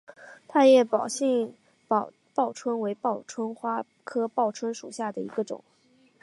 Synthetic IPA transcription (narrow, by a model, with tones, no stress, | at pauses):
t̪ʰa˥jɛ˨˧˩pɑ˨˩ʊɕɛ˥˩ŋ | p | pɑ˥˩ʊʈ͡ʂʰwə˥nwe˧˥ɪpɑ˥˩ʊʈ͡ʂʰwə˥nxwa˥ | kʰɤ˥pɑ˥˩ʊʈ͡ʂʰwə˥nʂu˨˩ɕja˥˩d̪ə˩ḭ˧˥ɡə˧ʈ͡ʂʊ̰˨˩˦ŋ